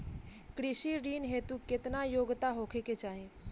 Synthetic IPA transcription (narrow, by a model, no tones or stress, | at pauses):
kɾisiɾinɦet̪uket̪najoɡt̪aɦokʰeket͡ʃaɦĩ